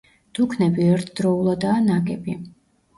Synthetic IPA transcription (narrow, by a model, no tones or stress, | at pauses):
d̪̥ukʰnɛbiɛɾt̪ʰd̪̥ɾɔulˠad̪aːnaɡɛbi